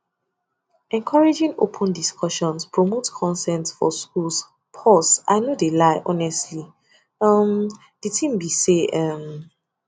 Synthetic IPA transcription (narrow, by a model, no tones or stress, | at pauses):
ɛ̃nkʰɔɹed͡ʒĩŋo̰pʰɔ̃ndiskʰɔʃɔ̃nspʰɹɔmotkʰɔ̃nsɛ̃ntfɔ̰skuls | pʰɔsa̰ɪnodelaɪʔɔnɛstli | ʌm | d̥itʰĩmbiseʌm